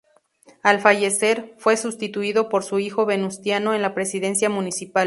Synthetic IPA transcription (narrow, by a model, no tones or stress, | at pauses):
alfaʝe̞se̞ɾfwe̞sust̪it̪uiðo̞po̞ɾsuixo̞βe̞nust̪jano̞e̞nlapɾe̞siðe̞nsjamũnisipal